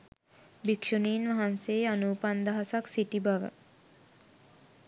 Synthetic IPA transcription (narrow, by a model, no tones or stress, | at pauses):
bikʃoniːnʋaɦansejanuːpand̪aɦasaksiʈibaʋə̰